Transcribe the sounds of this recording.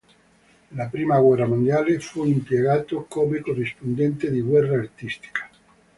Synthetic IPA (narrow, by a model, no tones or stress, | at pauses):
lapɾiːmaɣwɛrːamond̪jaːlefuimpjeɣaːt̪okomekorːispond̪ɛnt̪ed̪iɡwɛrːaːrt̪ist̪i̥kḁ